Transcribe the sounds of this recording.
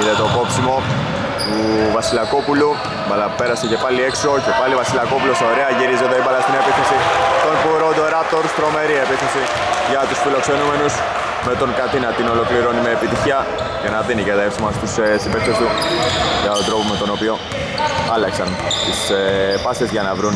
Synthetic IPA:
iðet̪opo̞psimo̞ | t̪uvɐsilɐko̞pulu | mɐlɐpeɾɐsece̞pɐlieksoce̞pɐlivɐsilɐko̞puloseoɾeɐʝiɾizeðeibɐlɐst̪inepiθesit̪o̞npuɾond̪oɾɐp̚t̪oɾust̪ɾo̞me̞ɾiepiθesi | ʝɐt̪usfilo̞kse̞nume̞nus | me̞t̪o̞ŋkɐt̪inɐt̪ino̞lo̞kliɾo̞nimeːpit̪içiɐ | ʝɐnɐðinicet̪ɐepsimɐst̪isesibekst̪est̪uʝɐt̪od̪ɾo̞po̞me̞t̪o̞no̞pio̞ | ɐlɐksɐn | t̪isepɐsezʝɐnɐvɾun

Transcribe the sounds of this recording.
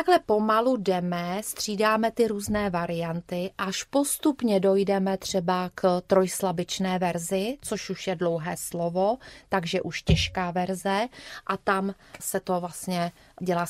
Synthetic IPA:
aɡlɛpo̞maludɛmɛst̪r̝̥iːdaːmɛt̪ɪɾuːznɛːvaɾɪjant̪ɪʔaʃpo̞st̪upɲɛdo̞jdɛmɛt̪r̝̥ɛbakt̪ɾojslabɪt͡ʃnɛːvɛɾzɪt͡so̞ʃuʃjɛdlo̞wɦɛːslovot̪aɡʒɛʔuʃcɛʃkaːvɛɾzɛʔat̪am | sɛt̪o̞vlast̪ɲɛ | ɟɛlaː

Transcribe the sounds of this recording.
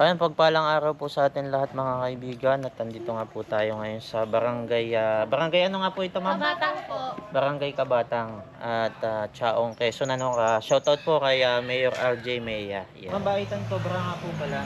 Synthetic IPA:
ʔɐjonpɐɡ̚paːlɐŋʔaːɾɐwpusɐʔaːt̪ɛnlɐhat̪̚mɐŋakɐʔɪbiːɡɐnɐt̪ɐnd̪it̪oŋaːput̪aːjo̞ŋɐjo̞nsɐbɐɾɐŋɡajabɐɾɐŋɡajʔɐnoŋaːpuʔɪt̪o̞mamːt̪aŋpbɐɾɐŋɡajkɐbaːt̪ɐŋ | ʔɐt̪at͡ʃaːʔoŋkɛsonɐnokɐʃowt̪ɐod̪̚pokɐjamɛjoɾʔald͡ʒɛjmɛjɐjɛ̰mɐbaʔit̪ɐnsobɾaŋaːpupɐla

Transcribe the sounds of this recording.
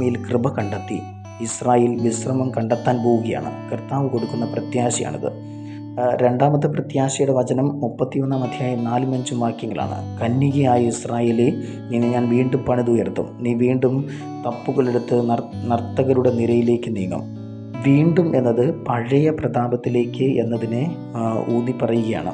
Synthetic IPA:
ɐjilkrɨbɐkɐɳɖɐt̪ːi | israːjeːlʋisrɐmɐmkɐɳɖɐt̪ːaːnpoːɣuɣɐja̰ːɳɨ̰kɐrt̪aːʋɨko̞ɽukːunːɐprɐt̪jaːɕɐja̰ːɳḭðɨ̰ | ɾe̞ɳɖaːmɐt̪ːɐprɐt̪jaːɕɐjuɽeʋɐd͡ʑɐnɐmːupːɐt̪ːio̞nːamɐd̪ʱjaːjɐnaːlɨmɐɲd͡ʑumʋaːkːjiŋɡɐla̰ːɳɨ̰kɐnːiɣɐjaːjɐisraːje̞ːle | ninːeɲaːnʋiːɳɖumpɐɳiðujert̪ːṵmniːʋiːɳɖum | t̪ɐpːuɣɐɭe̞ɽut̪ːɨnɐrt̪ːɐɣɐɾuɽe̞niɾɐjile̞ːkːɨniːŋːɐ̰m | ʋiːɳɖume̞nːɐðɨpɐɻɐjɐprɐd̪aːbɐt̪ːile̞ːkːɨe̞̰nːɐðinɨ | uːnipɐrɐjuɣɐja̰ːɳɨ̰

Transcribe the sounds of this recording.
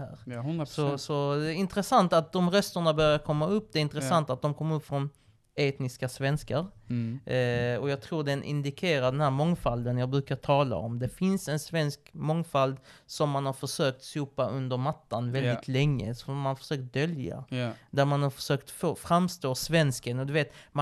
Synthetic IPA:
hæːɾsɔsɔd̪ɛɪnt̪ɾəsant̪at̪̚d̪ɔmɾœst̪əɳabœɾjaɾkʰɔmːaɵpːd̪ɛɪnt̪ɾəsant̪at̪̚d̪ɔmkʰɔmːəɾɵpːfɾɔn | eːt̪nɪskasvɛnskaɾ | ɔjɑːɡ̚t̪ʰɾuːɖɛnʔɪ̰nd̪ɪkʰeːɾaɖ̪ɛnhæːɾmɔŋfald̪ənjɑːɡ̚bɾʉ̟ːkat̪ʰɑːla̰ɔmd̪ɛfɪnsɛnsvɛnskmɔŋːfald̪sɔmːanhaɾfœʂøːk̚t̪suːpaʔɵnd̪əɾmat̪ːanvɛld̪ɪt̪ʰlɛŋːə̰sɔmanfœ̥ʂøːk̚t̪̚d̪œlja̰d̪æɾmanhaɾfœ̥ʂøːkt̪foːfɾamːst̪oːsvɛnskənɔd̪ɵveːt̪m

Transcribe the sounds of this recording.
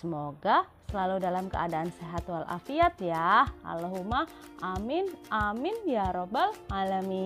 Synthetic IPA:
səmoɡasəlaludalamkə̰adaːnseɦat̪ualʔa̰fiat̪̚jaha̰laɦuma | ʔamɪnamɪnjaɾobɛlalami

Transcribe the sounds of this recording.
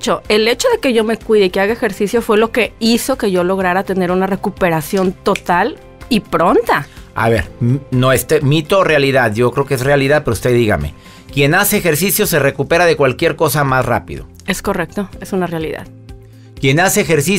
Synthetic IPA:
t͡ʃoʔe̞le̞t͡ʃoðe̞ke̞ʝo̞me̞kwiðeikeaɣaexe̞ɾsisjo̞fwe̞lo̞ke̞iso̞ke̞ʝo̞lo̞ɣɾaɾat̪e̞ne̞ɾunare̞kupe̞ɾasjo̞nt̪o̞t̪al | ipɾo̞nt̪aa̰βe̞̰ɾnoest̪emit̪o̞realiðaðʝo̞kɾeokeesrealiðaðpeoust̪eðiɣa̰me̞̰ | kje̞naseːxe̞ɾsisjo̞se̞re̞kupe̞ɾaðe̞kwalkje̞ɾko̞samasra̰pḭðo̰ | e̞sko̞re̞k̚t̪o̞e̞sunarealiða̰ð | kje̞naseːxeɾsi

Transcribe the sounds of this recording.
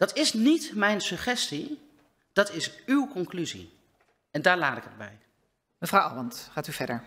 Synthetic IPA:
d̥ɑtɪsnitmɛjnsɵχɛsti | d̥ɑtɪsywkɔŋklyzḭ | ɛndaːɹlaːtɪkəd̚bɛ̰j | məvrɑwʔɑ̰ɑntχaːtyvɛɹdəɹ

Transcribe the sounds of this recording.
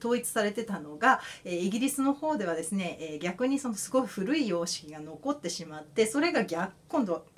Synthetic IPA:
t̪o̞ːit͡sɨ̥saɾe̞t̪e̞t̪ano̞ɡaeːiɡʲiɾʲisɨno̞ho̞ːd̪e̞β̞ad̪e̞sɨne̞ʔeːɡʲakɯ̟ɲ̟iso̞no̞sɨɡo̞iɸɯ̟ɾɯ̟ijo̞ːɕi̥kʲiɡano̞ko̞t̪ːe̞ɕimat̪ːe̞so̞ɾe̞ɡaɡʲakkːõ̞nd̪o̞

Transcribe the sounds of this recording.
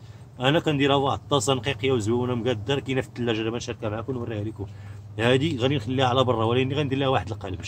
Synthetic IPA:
ʔænækænd̪iɾæwaʕt̪ˤːɑsˤɑnqiqəjːæwzwæwunæmɡæd̪ːɑɾˤkinæft̪ːəlːæʒɾæmænʃɑɾˤkæmaʕakunwərːihælikʊm | hæd̪iɣæninxəlːiæʕlæbɑrˤːɑwælænːiɣænd̪iɾlːæhwaħəd̪əlqæləb

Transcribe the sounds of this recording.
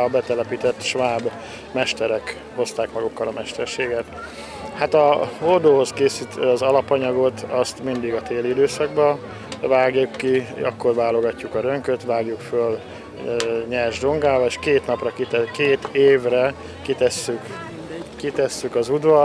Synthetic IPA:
ɒbɛt̪ɛlɛpit̪ɛt̪ʃʋaːb | mɛʃt̪ɛɾɛk | ho̞st̪aːkmɒɡukːɒlɒmɛʃt̪ɛrʃeːɡɛt̪ | hat̪ɒhold̪oːɦo̞skeːsit̪ɒzɒlɒpɒɲɒɡo̞t̪ʰɒst̪mind̪iɡɒt̪eːlid̪øːsɒɡbɒ | vaːɡjukːiɒkːo̞rvaːlo̞ɡɒcːukɒɾøŋkøt̪ʋaːɡjukføl | ɲɛrʒd̪o̞ŋɡaːbɒeʃkeːt̪nɒprɒkit̪ɛkeːt̪eːvrɛ | kit̪ɛsːyk | kit̪ɛsːykɒzud̪vɒ

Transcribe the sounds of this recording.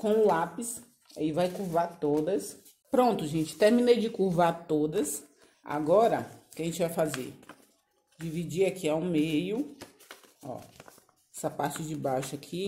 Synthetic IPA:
kõw̃lapɪs | a̰ivajkuɾvat̪od̪ɐs | pɾõnt̪ʊʒẽt͡ʃɪ̥t̪eɾmĩnejd͡ʒɪkuɾvat̪od̪ɐs | a̰ɡɔɾɐkɪaaʒẽnt͡ʃɪvajfazḛɾ | d͡ʒivid͡ʒiakʰiawmejʊ | ɔ̰ | ɛsɐpaɾt͡ʃɪd͡ʒɪbajʃʊakʰi

